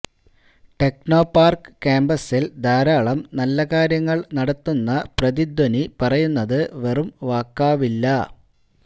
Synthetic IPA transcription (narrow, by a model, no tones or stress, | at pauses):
ʈe̞kno̞ːpːaːrkɨ̥kaːmbɐsild̪aːɾaːɭɐmnɐlːɐkaːɾjɐŋːɐɭnɐɽɐt̪ːunːɐprɐðid̪wɐnipɐrɐjunːɐðɨʋerumʋaːkːaːʋilːɐ